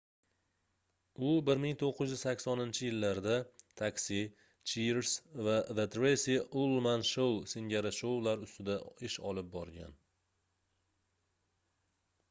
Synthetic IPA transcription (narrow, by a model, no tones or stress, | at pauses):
ʊbɪɾmɪŋt̪ʰoqʰːʏzjʏzsakʲsɒnɪnt͡ʃʰɪjɪlːaɾd̪at̪ʰakʲsi | t͡ʃʰiɾsvaðet̪ɾesiolˠmanʃowsɪŋɡʲaɾaʃowlaɾʊst̪ɪd̪aɪʃɒ̰lɪp̚bɒɾɡʲa̰n